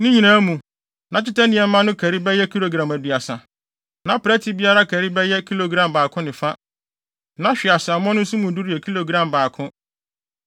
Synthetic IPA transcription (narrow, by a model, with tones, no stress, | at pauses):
nɪ̃˦ɲĩ˨nãː˦mũ˨ | nã˨t͡ɕɪ˦ta˦nɪ̃˨ɛ˨m̩˦mã˦nʊ̃˦kʰæ˨ɾi˦bɛ˦jɛ˦kʰi˦lo˨ɡɾã˨mæ˨dɥa˨sã˨ | nã˨pɾɛ˦tʰi˨˦bi˦a˦ɾa˦kʰæ˨ɾi˦bɛ˦jɛ˦kʰi˦lo˨ɡɾã˨mbaː˨kʰʊ̃˦nɪ̃˨fa˦ | nã˨ɕᶣɪ˨a˨sa˨mɔ̃˦nʊ̃˦n̩˦su˦mũ˨du˦ɾi˦ɛ˨kʰi˦lo˨ɡɾã˦˨mbaː˨kʰʊ̃˦